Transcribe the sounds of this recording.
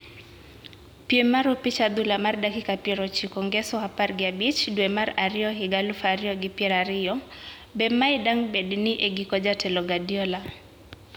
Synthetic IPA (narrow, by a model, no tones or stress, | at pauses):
piemaɾɔpit͡ʃad̪ulamardakikapjeɾɔt͡ʃikɔŋɡɛsɔhaparɡɪabit͡ʃdwemaɾaɾɪɔɦɪɡalufaɾɪɔɡɪpjɛɾaɾɪɔ | bɛmaidaŋbɛdniʔeɡikɔd͡ʒatɛlɔɡadjɔla